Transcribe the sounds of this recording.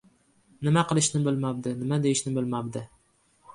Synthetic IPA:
nɪmaqɨlˠɪʃnɪbɪlmab̚d̪ɪnɪmad̪ejɪʃnɪbɪlmabd̪ɪ

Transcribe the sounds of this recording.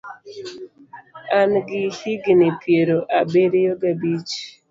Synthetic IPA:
anɡɪhiɡnɪpʰjeɾoʔabeɾejoɡabit͡ʃ

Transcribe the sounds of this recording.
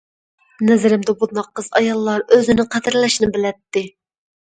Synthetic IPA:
nɛzɪɾɪmd̪ɛbud̪nɑqːəzɑ̰jɑlˠːɑɾøzɪnɪqʰɛd̪ɪɾlɛʃnɪbɪlɛt̪ːɪ

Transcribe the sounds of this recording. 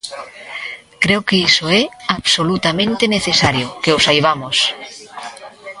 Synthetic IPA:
kɾewkeisoɛaβsolut̪amẽnt̪eneθesaɾjokeosajβ̞amos

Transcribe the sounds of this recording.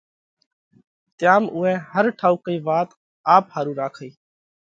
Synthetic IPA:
t̪jaːmuːɛ̃ːhəɾʈʰaːuːkəiːʋaːt̪ | aːphaːɾũːɾaːkʰəiː

